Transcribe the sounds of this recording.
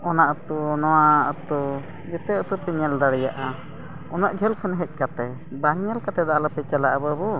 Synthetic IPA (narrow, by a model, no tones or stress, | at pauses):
ɔnaʔət̪unɔwaət̪u | d͡ʒɛt̪ɛət̪upɛɲɛld̪aɽɛjaʔa | ɔnaʔd͡ʒʱɛlkʰɔnɦɛc̚ˀkat̪ɛ | baɲɛlkat̪ɛd̪aalɔpɛt͡ʃalaʔabəbu